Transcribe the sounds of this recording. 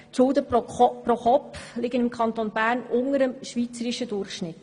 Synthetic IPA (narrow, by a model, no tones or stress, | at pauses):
tsʊld̪əpːroχɔplɪɡənɪmkʰɑnt̪onbæːɾnʊŋəɾəmʃʋiːt͡səɾɪʃədʊrχʃnɪt